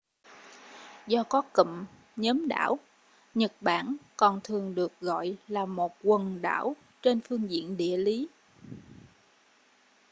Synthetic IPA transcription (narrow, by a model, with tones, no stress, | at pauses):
zɔ˧kɔ˨˦kə̰˧˨m | ɲəː˨˦mɗa̰ː˧˥w | ɲə˨˩t̚ɓa̰ː˧˩nkɔ˨˩nt̪ʰɨ˨˩əŋɗɨ˨˩ək̚ɣɔ̰˧˨jlaː˨˩mo˨˩t̚kwə˨˩nɗa̰ː˧˥˩w | t͡ɕe˧nfɨ˧əŋzḭ˧˨ənɗḭ˧˨əli˨˦